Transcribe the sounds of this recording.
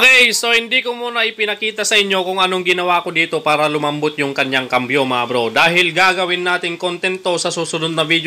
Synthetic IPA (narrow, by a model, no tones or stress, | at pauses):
kɛjso̞hɪnd̪ikomuːnɐʔɪpɪnɐkiːt̪ɐsɐʔɪɲːo̞kʊŋʔɐnoŋɡɪnɐwakod̪iːt̪o̞paːɾɐlʊmɐmbot̪̚jʊŋkɐɲjaŋkɐmbjomaʔɐbɾod̪aːhɪlɡaɡɐwɪnːaːt̪ɪŋkont̪ɛnt̪o̞sɐsuːsʊnod̪̚nɐvid̪j